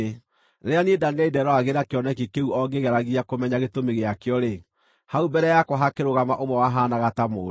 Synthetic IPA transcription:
neɾeanedaneɛidɛɾɔaɣeɾakeɔnɛkekeuɔɡeɣɛɾaɣiakomɛɲaɣetomeɣeakjɔɾe | haubɛɾɛjakoɦakeɾoɣamaʔomwɛwaɦaːnaɣatamoː

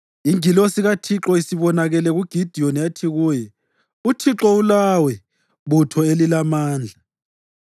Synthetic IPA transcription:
iŋilɔsiɣatʰiǁɔisiβɔnaɣɛlɛɣuɡ̥ʱid̥ʱiɔnjatʰiɣuːjɛ | utʰiǁɔulawɛ | βutʰɔelilamaːnd͡ɮʱa

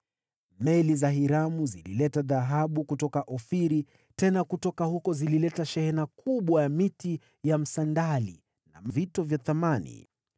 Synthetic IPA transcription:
mɛlizaɦiɾamuzilḭlɛtaðaɦaɓukutɔkaʔɔfiɾi | tɛnakutɔkahukɔzililɛtaʃɛhɛnakʰuɓwajamiti | jam̩sandali | na̰mvitɔvjaθamanḭ

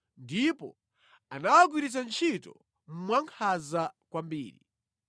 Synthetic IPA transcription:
ndipɔ | anawaɡ̬wiɾit͡sant͡ʃʰitɔ̰ | m̩mwaŋkʰazakwambiːɾi

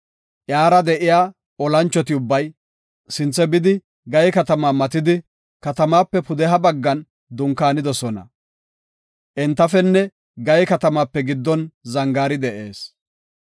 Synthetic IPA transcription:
ʔjaːɾɐd̪ɛʔɪjaː | ɔlɐnt͡ʃːɔt̪ɪʊbːɐj | sɪnt͡sːɛbɪd̪ɪ | ɡɐjkɐt̪ɐmaːmɐt̪ɪd̪ɪ | kɐt̪ɐmaːpːɛpʊd̪ɛɦɐbɐɡːɐn | d̪ʊŋkːaːnɪd̪ɔsɔnɐ̰ | ʔɛnt̪ːɐfɛnːɛ | ɡɐjkɐt̪ɐmaːpːɛɡɪd̪ːɔnzɐŋɡaːɾɪd̪ɛʔe̞ːs

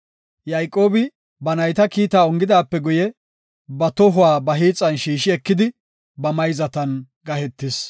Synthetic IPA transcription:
jajkʼo̞ːbɪ | bɐnɐjt̪ɐkiːt̪aːɔŋɡɪd̪aːpːɛɡʊjɛ | bɐt̪ɔɦʊwaːbɐɦiːt͡sʼːɐnʃiːʃɪɛkːɪd̪ɪ | bɐmɐjzɐt̪ɐn | ɡɐhɛt̪ːɪs

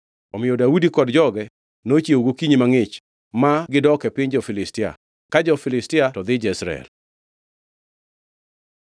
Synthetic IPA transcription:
ɔmɪjɔdaudikɔdd͡ʒɔɡɛ | not͡ʃjeoɡokiɲimaŋɪt͡ʃ | maɡɪdɔkɛpɪɲd͡ʒɔfɪlɪstɪa̰ | kad͡ʒɔfɪlɪstɪatɔd̪ɪd͡ʒɛisɾa̰ɛ̰l

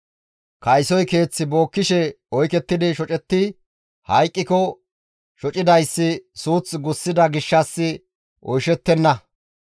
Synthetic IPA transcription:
kɐjsɔjke̞ːt͡sːɪbo̞ːkːɪʃɛ | ɔjkɛt̪ːɪd̪ɪʃɔt͡ʃʼɛt̪ːɪ | hɐjkʼːɪkɔ | ʃɔt͡ʃʼɪd̪ɐjsːɪsuːt͡sɡʊsːɪd̪ɐɡɪʃːɐsːɪ | ʔɔjʃɛt̪ːɛnːɐ

